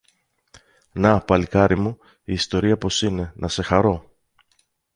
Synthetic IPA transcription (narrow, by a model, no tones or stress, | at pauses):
nɐpɐlikɐɾimu | iːst̪o̞ɾiɐpo̞sine̞nʔɐse̞xɐɾo̞